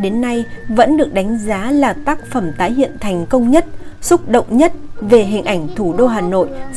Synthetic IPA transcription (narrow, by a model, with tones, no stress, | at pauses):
ɗe˨˦nːa˧jvə̰˧˥nɗɨ˨˩ək̚ɗa˨˦jŋ̟zaː˨˦laː˨˩t̪aː˦˥k̚fə˧˩mt̪aː˨˦jhḭ˧˨ənt̪ʰa˨˩jŋ̟kə˧wŋ͡mɲə˦˥t̚sʊ˦˥t̚ɗo̰˧˨wŋ͡mɲə˦˥t̚ve˨˩ɦï˨˩ŋ̟ʔa˧˩jŋ̟t̪ʰu˧˩ɗo˧ɦaː˨˩no̰˧˨j